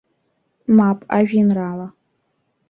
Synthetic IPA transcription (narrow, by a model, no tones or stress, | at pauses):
maːpʼaʒᶣinraːlɐ